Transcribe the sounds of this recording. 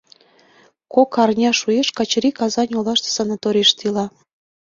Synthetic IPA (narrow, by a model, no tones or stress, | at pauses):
kokɑrnʲɑʃujeʃkɑt͡ɕɾikɑzɑnʲolɑʃt̪ə̥sɑnɑt̪oɾʲiʃt̪ilɑ